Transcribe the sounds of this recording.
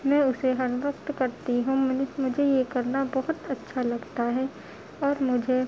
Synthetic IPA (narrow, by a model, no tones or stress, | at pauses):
mɛ̃ːʊseɦɐɾʋəkt̪kɐɾt̪iɦũmʊd͡ʒʱejekɐɾnabɔɦʊt̪ɐtːʃʰalɐɡt̪aɦɛ | ɔːɾmʊd͡ʒʱe